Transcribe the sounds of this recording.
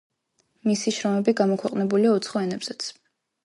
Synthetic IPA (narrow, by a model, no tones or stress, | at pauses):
misiʃɾɔmɛbiɡamɔkʰwɛqʼnɛbuliaut̪sʰχɔɛnɛbz̥ɛt̪sʰ